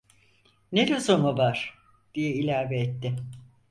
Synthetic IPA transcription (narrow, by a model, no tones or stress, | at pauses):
ned̪ozomuvaɾ̥ | d̪̥ijɛilʲæɾveːt̪ːɪ